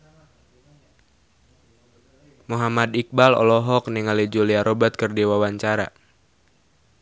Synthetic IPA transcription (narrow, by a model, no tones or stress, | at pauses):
muɦamad̪ik̚balɔ̰lɔɦɔk̚niŋalid͡ʒoliaɾobat̪̚kərdiwawaɲt͡ʃaɾa